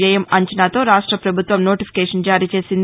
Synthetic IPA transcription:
jɐjɐmɐɲt͡ʃɐnaːt̪o̞ːɾaːʂʈɾɐpɾɐbʱut̪ʋɐmnoːʈipi̥kɛːʂɐnd͡ʒaːɾiːt͡ʃe̞ːsind̪

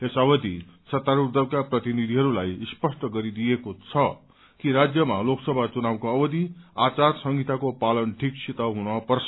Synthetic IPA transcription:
t̪esʌbʌd̪isʌt̪aɾurd̪ʌbkaprʌt̪inid̪ʱiɦʌɾulajspʌsʈʌɡʌɾid̪ijekot͡sʰʌ | kiɾad͡zjʌmaloksʌbʱat͡sunawkoʌbʌd̪iat͡sarsʌŋɡit̪akopalʌnʈʰiksʰit̪ʌɦunʌpʌrsʰ

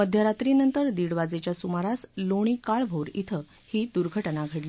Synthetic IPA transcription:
məd̪ʱjəɾat̪ɾinənt̪əɾd̪iɽʋad͡zet͡ɕjasumaɾasloɽ̃ikaɭbʱoɾit̪ʰə | hiːd̪uɾɡʱəʈnaɡʱəɽliː

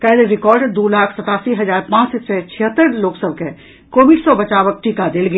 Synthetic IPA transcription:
kɛːleɾɪkɔːɾɖd̪oːlaːkʰsɐt̪aːsiɦɐzaːɾpãːt͡ʃset͡ʃʰɪɦət̪ːəɾloːksəb̚ke | koːʋɪɖsɔbɐt͡ʃaːʋək̚ʈʰiːkad̪elɡe

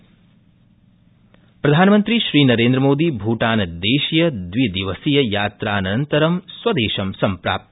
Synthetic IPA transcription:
pɾɐd̪ʱaːnɐmɐnt̪ɾiʃɾiːnɐɾeːnd̪ɾɐmoːd̪ibʱuːʈaːnɐd̪eːʃjɐd̪ʋid̪iʋɐsijɐjaːt̪ɾaːnɐnt̪ɐɾɐmsʋɐd̪eːʃɐmsɐmpɾa̰ːp̚t̪

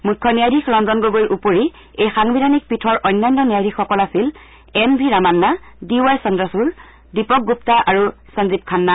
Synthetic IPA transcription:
mukʰːɔnijajdʱikʰɹɔnzɔnɡoɡojɹʔupoɹi | ejxaŋbidʱanik̚pitʰɔɹʔɔjnːajnːɔnijajdʱixɔkɔlasil | ɛmbʱiɹamanːadiwajsɔndasuɹ | dipɔk̚ɡup̚taʔaɹusɔnzip̚kʰanːa

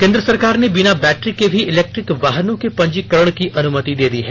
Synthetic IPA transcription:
kẽːnd̪ɾəsɐɾkaːɾnebɪnabɛːʈɾikebʱiɪlɛːk̚ʈɾɪkʋaːɦənõkepɐ̃ɲd͡ʒikəɾəɽ̃kiʔɐnʊmət̪id̪eːd̪iɦɛː

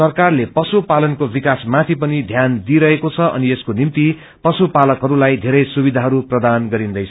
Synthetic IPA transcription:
sʌrkarlepʌsupalʌnkobikasmat̪ʰipʌnid̪ʱjand̪iɾʌɦekot͡sʰʌʔʌ̰nieskonimt̪i | pʌsupalʌkɦʌɾulajd̪ʱeɾʌjsubid̪ʱaɦʌɾuprʌd̪anɡʌɾind̪ʌjt͡sʰ

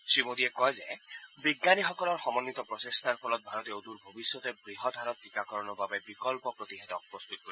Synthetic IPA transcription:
sɹimod̪iɛkɔjzɛbiɡnanixɔkɔlɔɹxɔmɔnːit̪ɔpɹɔsest̪ʰaɹkʰɔlɔt̪̚bʱaɹɔt̪eod̪uɹbʱobisjɔt̪ɛbɹiɦɔd̪ʱaɾɔt̪ʰːikakɔɹɔnɔbabɛbikɔlpɔpɹot̪iɦɛtɔk̚pɔst̪ut̪̚ko

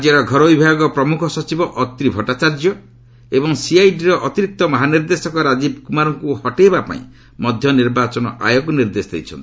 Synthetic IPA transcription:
d͡ʒeɾɔɡʱɔɾɔbibʱaɡɔpɾɔmukʰɔsɔt͡ʃibɔʔɔt̪ɾibʱɔʈat͡ʃaɾd͡ʒɔ | ebɔŋsiajɖiɾɔʔɔt̪iɾik̚t̪ɔmɔɦaniɾd̪esɔkɔɾad͡ʒibkumaɾɔŋkuhɔʈebapa̰ḭ̃ | mɔd̪ʱjɔniɾbat͡ʃɔnɔ̰ʔa̰jɔɡɔniɾd̪esɔd̪ḛjt͡ʃʰɔ̰nt̪i

